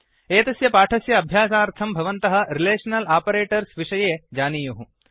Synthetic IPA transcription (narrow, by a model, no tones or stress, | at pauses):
eːt̪ɐsjɐpaːʈʰɐsjɐːbʱjaːsaːɾt̪ʰɐmbʱɐʋɐnt̪ɐɦɐ̆ɾileːʂɐnɐlaːpɐɾeːʈɐɾsʋiʂɐjeːd͡ʒaːniːjuɦũ